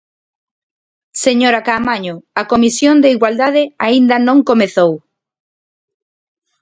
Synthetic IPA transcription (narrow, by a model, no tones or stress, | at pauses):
seɲoɾakamaɲʊakomisjond̪eiɣwald̪aðɪaind̪anõŋkomeθow